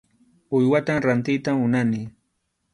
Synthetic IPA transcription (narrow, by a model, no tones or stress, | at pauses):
ʊjwat̪amɾant̪ɪjt̪amʊnanɪ